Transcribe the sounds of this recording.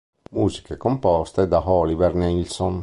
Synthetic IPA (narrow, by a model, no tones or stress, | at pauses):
muːzi̥kekompɔst̪ed̪aɦɔlivɛɾnelsɔn